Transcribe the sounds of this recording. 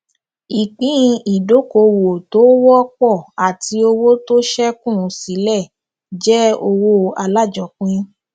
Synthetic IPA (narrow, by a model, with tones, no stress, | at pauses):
i˨k͡pĩ˦˧i˨do˨˦ko˧wo˨to˨˦wɔ˦k͡pɔ˦˨a˨ti˧˦o˧wo˦to˦ʃɛ˦kũ˦˨˧si˨˦lɛ˦˨ | d͡ʒɛ˦o˧wo˦a˧la˦˨d͡ʒɔ˨˦k͡pĩ˦